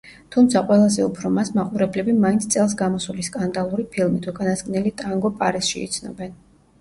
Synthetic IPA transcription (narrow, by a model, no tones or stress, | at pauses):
t̪ʰumt̪sʰaqʼwɛlˠazɛupʰɾɔmasmaqʼuɾɛblɛbimaint̪sʰt̪sʼɛlˠs̬ɡamɔsuliskʼand̪alˠuɾipʰilˠmit̪ʰukʼanaskʼnɛlit̪ʼaŋɡɔpʼaɾɛsʃḭːt̪sʰnɔ̰bɛn